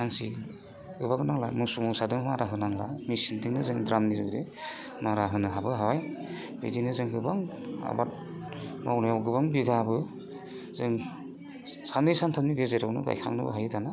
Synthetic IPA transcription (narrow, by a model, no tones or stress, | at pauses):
aŋsi | ɡɯbaŋnaŋlamɯsumusadɯŋmaɾaɦɯnaŋlamisintʰiŋnɯzɯŋdɾamnizɯde | maɾaɦɯnɯɦabɯɦawaj | bḛdinɯzɯŋɡɯbaŋa̰bat̚ | mawnɯjawɡɯbaŋbiɡabɯ | zɯŋ | sanɯjsantʰamniɡezeɾawnɯ̰ɡa̰jkʰa̰ŋnɯ̰bɯ̰ɦajtʰana